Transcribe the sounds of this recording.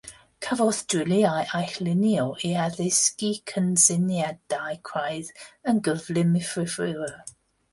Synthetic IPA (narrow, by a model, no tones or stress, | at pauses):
kʰavɔθd̥ɹɪliajʔajxlɪnjɔʔiaðɪskikʰənsɪnjɛdajkʰrajðənɡəvlɪmɪfrɪfrɪə